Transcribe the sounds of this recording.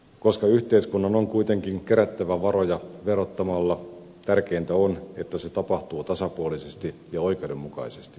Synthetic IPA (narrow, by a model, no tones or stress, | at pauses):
ko̞skɑyht̪e̞iskunːɑnoŋkuit̪e̞ŋkiŋk̟eɾæt̪ːæʋæʋɑɾo̞jɑʋe̞rot̪ːɑmɑlːɑ | t̪ærk̟e̞int̪æone̞t̪ːæset̪ɑpɑht̪uːt̪ɑsɑpuolisest̪ijɑo̞jke̞wdemːukɑ̰isest̪i̥